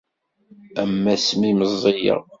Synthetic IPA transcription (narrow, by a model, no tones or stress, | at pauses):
æmːæsmiməzˤːijə̰